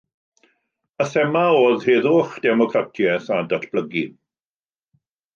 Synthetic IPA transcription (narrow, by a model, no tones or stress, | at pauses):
əθɛmaoːðheːðʊχd̥ɛmɔkʰratʰjɛθadatʰb̥ləɡi